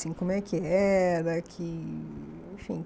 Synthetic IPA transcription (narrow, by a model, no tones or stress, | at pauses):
sĩkõmɛkɪɛɛlɐkʰɪ | ĩfḭ̃